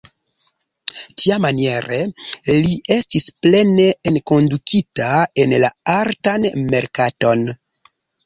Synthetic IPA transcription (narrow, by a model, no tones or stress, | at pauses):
tiamanie̞ɾe̞liʔe̞stisple̞ne̞enko̞ndukʰitae̞nla̰aɾtanme̞ɾkato̞n